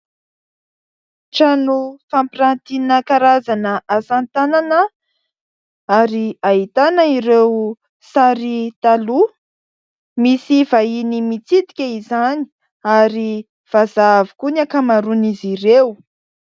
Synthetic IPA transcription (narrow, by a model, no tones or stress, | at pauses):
ʈ͡ʂanufampiɾant̪inəkaɾazanəʔasant̪ananə | aɾiait̪anəiɾew | saɾit̪alu | misivainimit͡sit̪i̥kʲaizani̥ | aɾi | v̥azavikunakamaɾuniziɾew